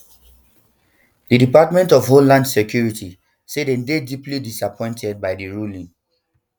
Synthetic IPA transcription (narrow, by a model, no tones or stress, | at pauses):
didipatmɛ̃ntɔfɦollãndsekjuɹitʰi | sedɛ̃ndediplidisapʰɔ̃ɪ̃ntʰɛd̚bajdiɹulĩn